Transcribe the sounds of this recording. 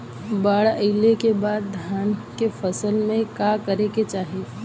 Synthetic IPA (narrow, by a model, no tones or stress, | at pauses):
baːɽəɪlekebaːd̪̚ːʱjaːnkefɐsəlmẽkakɐɾeket͡ʃaːɦe